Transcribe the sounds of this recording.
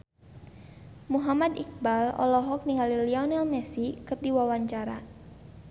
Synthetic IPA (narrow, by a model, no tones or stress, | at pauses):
muɦamadik̚balɔ̰lɔɦɔk̚niŋaliliɔnɛlmɛsikɨrdiwawaɲt͡ʃaɾa̰